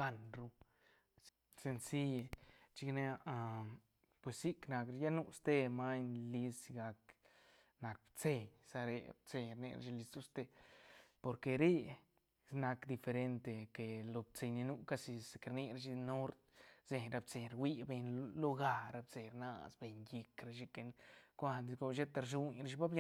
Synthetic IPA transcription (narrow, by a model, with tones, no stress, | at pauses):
ɡa˦nɾu˧ | se˧nsi˦e˨t͡ʃi˧kne˦a˧ʔa˧ | pwe˨si˦kna˧kɾja˦nu˦˧st̪e˦ma˦ɲli˧si˧ɡa˧k | na˨k̚b̥t͡se˧ɲsa˧ɾḛ˧b̚t͡se˧ɲɾnḛ˧ɾa̰˧t͡ʃi˧li˧sd̪u˦st̪e˧po˧ɾke˧ɾe˦ | sna˧kd̪i˧fe˧ɾe˧nt̪e˧ke˨lo˧b̚t͡se˧ɲni˧nu˦˧ka˦si˧se˧ke˧ɾni˧ɾa˧ʃi˧no˦ɾt̪z̥e˧ɾa˧bt͡se˨ɾwi˦be˧ɲlo˦ɡa˧ɾa˧b̚t͡se˧ɾna̰˧sbe˧ɲji˧kɾa˧ʃi˧ke˧nkʷa˧d̪i˧ɡo˧ʃe˦t̪a˧ɾʃu˧ɲɾa˧ʃ̬i˧˦ba˦bja˧